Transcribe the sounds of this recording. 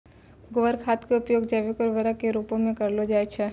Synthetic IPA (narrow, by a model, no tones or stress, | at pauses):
ɡoʋəɾkʰaːt̪keʊpjoːɡd͡ʒeːʋekɔɾʋəɾakeɾupõmẽkɐɾlod͡ʒaːjt͡ʃʰɛ